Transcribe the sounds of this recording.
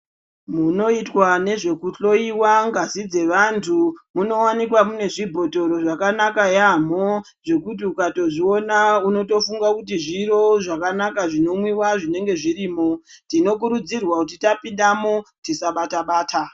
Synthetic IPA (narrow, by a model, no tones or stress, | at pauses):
muno̞itwane̞ʐe̞kuɬo̞iwaŋɡasid͡ze̞ʋantʰumuno̞wanikwamune̞ʐibʱo̞to̞ɾo̞ʐakanakajamo | ʐe̞kut̬iukato̞ʐio̞nauno̞to̞fuŋɡakut̬iʐiɾo̞ʐakanakaʐino̞mwiwaʐine̞ŋɡe̞ʐiɾiːmo̞tino̞k̬uɾud͡zirwakut̬itapindamo̞tisaɓataɓaːtʰa